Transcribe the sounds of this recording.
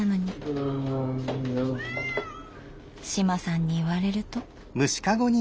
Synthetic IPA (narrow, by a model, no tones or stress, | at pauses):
ano̞ɲ̟i | ɕimasãɲ̟ːiːβaɾe̞ɾɯ̟t̪o̞ | mɯ̟ɕi̥kaɡo̞ɲ̟i